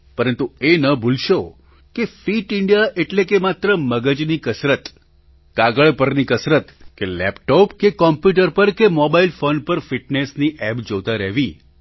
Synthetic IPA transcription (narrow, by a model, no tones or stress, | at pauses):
pəɾənt̪uenəbʱulʃo | kefiʈɪɳɖijaʔeʈlekemat̪ɾəməɡəd͡ʒnikəsɾət̪ | ɡ̥aɡəɭpəɾnikəsɾət̪kelɛpʈɔpkekɔmpjuʈ̬əɾpəɾkemɔbailfonpəɾfiʈnesniʔɛpd͡ʒot̪aɾəɦʋi